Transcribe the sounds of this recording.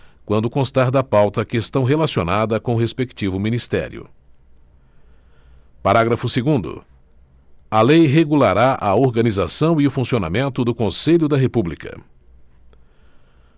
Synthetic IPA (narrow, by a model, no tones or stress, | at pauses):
kwɐ̃nd̪ʊkõst̪aɾd̪ɐpawt̪ɐːkest̪ɐ̃w̃ɦelasionad̪ɐkõʊɦespekt͡ʃivʊmĩnist̪ɛ̰ɾjʊ̰ | paɾaɡɾɐfʊseɡũnd̪ʊ̰ | ɐlejɦeɡulaɾaʔɐoɾɡɐnizasɐ̃w̃iʊfũsiona̰mẽnt̪ʊd̪ʊkõseʎʊd̪ɐɦepublikɐ̰